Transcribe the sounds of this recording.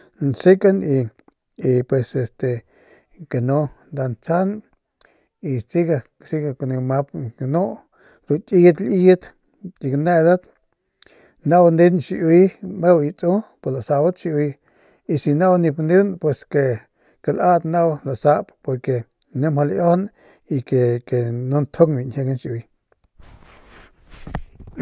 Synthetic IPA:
nsi˦ka˦ni˧ | i˧pwe˧se˧st̪e˨ | ke˨no˦nd̪a˧nt͡sa˦n | i˧t͡si˦ɡa˧ | si˦ɡa˧kni˧ma˧p̚ke˨no˦ʔ | ɾu˧t̪ʲʼi˦t̪li˦jt̪ | i˧kne˦˧d̪a˦t̪ | na˦wnd̪i˦nʃi˧ʔi˦jme˦wi˧t͡sʼu˦po˨la˨sa˧ba˦t̪ʃi˧ʔwi˧ | i˧si˧na˦wni˧pnd̪u˦npwe˧ske˧˨ | ke˧lʔa˦t̪na˦wla˨ʔsa˧ʔppo˧ɾke˨ | ne˦mha˧ljo˦hn | i˧ke˨ke˨no˦nt̪ʰo˦kbi˨nhe˧ɡa˦nʃʔwi˧

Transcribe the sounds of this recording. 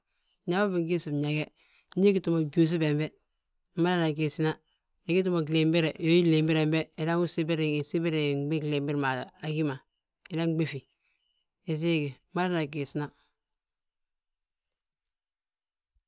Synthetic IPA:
ɲa˨˦ba˦bi˨ŋ˦ɡi˦su˨bɲa˨ɡɛ˦ | i˦ɡi˦tu˨ma˨ɟu˨s̬i˦bɛ˨mbɛ˦ | ma˦la˦na˨ɡe˨si˦na˦ | e˨˦ɡi˦t̬u˦ma˨ɡle˨mbe˦ɾɛ˨jo˦ji˦le˨mbi˦ɾɛ˨mbɛ˦i˨la˦ŋu˦si˦be˦ɾi˨ŋi˨si˦bi˦ɾe˨˦ɡ͡bi˦ɡle˨mbi˦ɾma˨a˨ɡi˦ma˨ | i˨la˦ŋ˦ɡ͡be˦˨fi˨ | e˨s̬i˦ɡi˨˦ma˦la˦na˨ɡe˨si˦na˦

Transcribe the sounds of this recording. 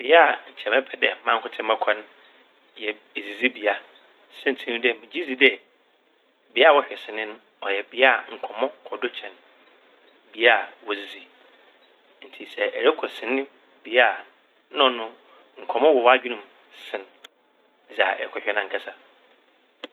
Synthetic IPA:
bɪ˨ja˨ɲ̩˨t͡ɕʰɛ˨mɛ̃˦pʰɛ˨dɛ˨˦mã˦ŋ˦kʰʊ˦tʰɪ̃˦mɛ̃˦kʰɔ̃˦n˦ | jɛ˨ | e˨zi˨zi˦bi˨a˨ | sɛ̃˦n˨tʰĩ˦nʊ̃˦dɛ˦˨mɪ̃˨d͡ʑi˦zi˦dɛ˦ | bi˨˦a˦˨wɔ˦ɕᶣɛ˨sɪ˨nɪ̃˦nʊ̃˦ | ɔ˨jɛ˨bi˨˦˨ŋ̩˨kʷʰɔ˨mɔ̃˦kʰɔ˨do˦t͡ɕʰɛ̃˨n | bi˨˦a˦˨wɔ˨zi˨zi˨ | n̩˨tʰi˨sɛ˨ʔɛ˨ɾɛ˦kʰɔ˨sɪ̃˨nɪ̃˦ | bi˨a˦˨ | n˦ɔ̃˨nʊ̃˦ | ŋ̩˨kʰɔ̃˨mɔ̃˦wɔ˨wɔ˦a˦d͡ʑᶣi˦nũ˨m | sɪ̃˨n | d͡za˨ɛ˨kʰɔ˨ɕᶣɛ˨nã˨ŋ̩˨kʰa˦sa˨

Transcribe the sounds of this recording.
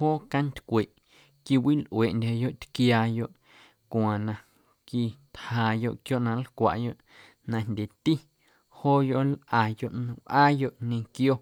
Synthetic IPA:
hoː˦ka˦nt̪ʲkʷe˨ʔ | ki˧wi˦lʔw̰e˨ʔndʲa˨jo˦ʔt̪kjaː˧jo˦ʔ | kʷãː˨nã˧ | ki˧t̪haː˨jo˧ʔkjo˦ʔnã˧lkʷa̰˨ʔjo˦ʔ | nã˧ndʲe˨t̪i˦ | hoː˦jo˧ʔlʔa˨jo˦˨ʔnɨ̃˧˨ʔaː˦jo˦ʔɲẽ˧kjo˦

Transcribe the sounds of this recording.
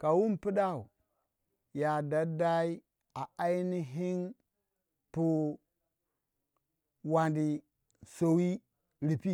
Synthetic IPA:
ka˨wu˦mpi˦ɗa˦˨u˨ | ja˨da˨da˦i˦ | a˨a˦i˦ni˦ɦi˦n | pu˨ | wa˨ndi˨ | so˨wi˦ | ɾi˨pi˦

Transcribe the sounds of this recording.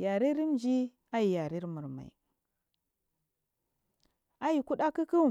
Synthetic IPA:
ja˨ɾi˦ɾi˦m˨d͡ʒi˦ | a˦ji˨ja˨ɾi˦ɾmu˨ɾma̰˨ḭ˨ | a˦ji˨ku˦ɗa˦ki˦ki˦˨

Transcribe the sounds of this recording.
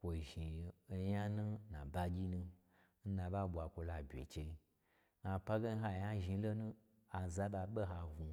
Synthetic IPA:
kʷo˨ʒi˨˧ja˦nũ˦nã̰˨ba˧ɡʲi˦nũ˧ | n̩˦nã˧ba˦ɓʷa˨kʷo˧la˨bʲḛ˨t͡ʃe˧i˧ | na˨pa˦ɡe˦n̩˦ɦa˧˨ja˦ʒi˧˦lo˦nũ˦ | a˨za˦ba˧ɓe˦ɦa˧ɡu˨

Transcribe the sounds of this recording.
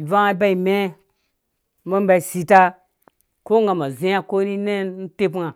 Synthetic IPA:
va˦ba˦i˨me˦ | ma˦m˦ba˨i˨si˨ta˦ | ko˦ŋɡa˨ma˨zi˦ja˦ko˦ɾi˦ne˦n˦n̩˦te˦pŋa˨

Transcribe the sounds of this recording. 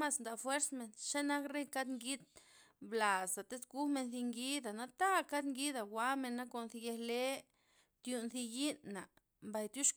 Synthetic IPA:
ma˧snd̪a˨fwe˦ɾsme˧nʃa˦na˦kɾe˦ka˦d̪ŋɡi˦d̪̚ | bla˨sa˨t̪e˦sɡu˦me˧nθi˧ŋɡi˦d̪a˨na˧t̪a˦ka˦d̪ŋɡi˦d̪a˨wa˦me˧nːa˦ko˧nθi˧je˧hle˦ | t̪ju˧nθi˧ji˦nːa˨ | mba˧˨jt̪ju˦ʂ

